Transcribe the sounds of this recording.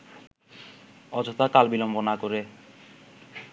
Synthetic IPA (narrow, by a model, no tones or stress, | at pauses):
ɔd͡ʑʱot̪akalbilɔmbonakoɾe